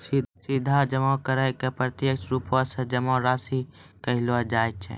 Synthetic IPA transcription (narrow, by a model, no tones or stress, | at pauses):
sisid̪ʱad͡ʒəmɔ̃kəɾəjkepɾət̪jəkʃɾuːpõsed͡ʒəmɔ̃ɾaːsikəɦɪlad͡ʒaːjt͡ʃʰɛ̰